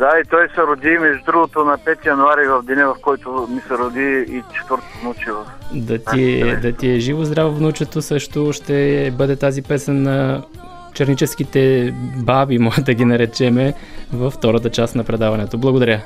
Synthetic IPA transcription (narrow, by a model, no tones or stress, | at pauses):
d̪ait̪ɔjsɛɾod̪imɛʒd̪ɾuɡot̪onɐpɛt̪ijɐnʊaɾivɐvd̪inɛvɐfkɔjt̪omisɛɾod̪iit͡ʃɛ̥t̪vəɾt̪t̪nut͡ʃivɐfd̪ɐt̪iɛd̪ɐt̪iɛʒivozd̪ɾavovnut͡ʃɛt̪osɤʃt̪oʃt̪ɛbɤd̪ɛt̪azipɛsɛnːɐ | t͡ʃɐɾnit͡ʃɛskit̪ɛbabimɔʒɛd̪ɐɡʲinɐɾɛt͡ʃɛmɛvɐft̪ɔɾət̪̬ət͡ʃasnɐpɾɛd̪avɐnɛt̪oblˠɐɡod̪ɐɾjə